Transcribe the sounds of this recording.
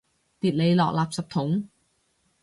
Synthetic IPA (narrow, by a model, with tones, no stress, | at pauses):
t̪iː˨˩t̚le˨˧jlɔː˨k̚laː˨p̚sɐ˨p̚t̪ʰʊ˨˥ŋ